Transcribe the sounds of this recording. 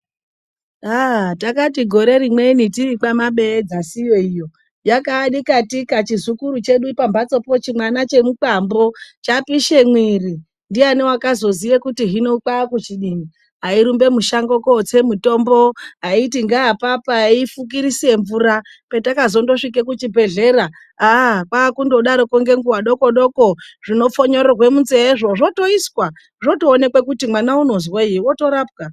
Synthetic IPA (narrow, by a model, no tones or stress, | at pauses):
aɦtakatiɡʱo̞ɾe̞ɾimwe̞nitirik͡pamaɓe̞ːd͡zasijo̞ijo̞ | jakaɗikatikat͡ʃizukuɾut͡ʃe̞ɗuipambat͡so̞po̞t͡ʃimwanat͡ʃe̞muk͡pambo̞t͡ʃapiʃe̞mwiri | ndianewakazo̞zijekutiɦino̞kakut͡ʃiɗini | ɦaiɾumbe̞muʃaŋɡoko̞t͡se̞muto̞mbo̞ɦaitiŋɡaːpapaifuk̬iɾisie̞ɱvuɾa | petakazo̞ndo̞ʂik̬e̞kut͡ʃibʱe̞ɮe̞ɾa | akwakundoɗaɾo̞koŋɡe̞ŋɡuwaɗo̞ko̞ɗo̞koʐino̞foɲo̞ɾorwe̞munzeeʐo̞ʐo̞to̞iswa | ʐoto̞ːne̞kwekutimwanauno̞zwaiiwo̞to̞ɾaːp̚ka